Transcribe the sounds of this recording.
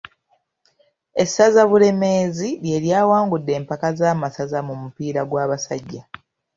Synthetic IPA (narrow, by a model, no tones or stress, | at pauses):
e̞sːazaβule̞me̞ːzilje̞ːɾjaːwaːŋɡudːe̞ːmpakazaːmasazamumupiːɾaɡwaːβasaɟːa